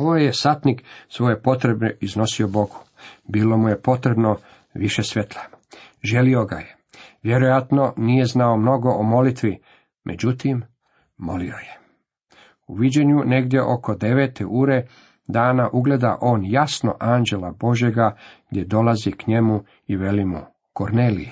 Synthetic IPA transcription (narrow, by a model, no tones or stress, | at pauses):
oojesat̪niksʋo̞jepo̞t̪ɾebnoizno̞sio̞bo̞ɡu̥ | biːlˠo̞muje̞po̞t̪ɾe̞bno̞ | ʋiʃesʋe̞t̪ʰlˠaʒe̞lio̞ɡa̰je | ʋjeɾojat̪no̞nije̞znaomno̞ɡo̞ʔomo̞lit̪ʋi | mʔed͡ʑut̪imː | o̞̰lioje | uʋid͡ʑe̞ɲune̞ɡd̪je̞ʔo̞ko̞d̪e̞ʋeːt̪eʔuːɾe̞ | d̪aːnaʔuɡle̞d̪a̰ʔo̞ːnjasno̞̰ʔaːnd͡ʑe̞labo̞ʒje̞ɡaɡ̥d̪ʲje̞d̪o̞lazikɲe̞mu | iʋe̞limṵ | koɾneːlḭje